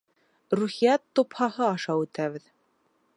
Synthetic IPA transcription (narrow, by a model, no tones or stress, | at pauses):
ɾuχijæt̪ːophɑhɤɑʃɑwʉt̪æβɘð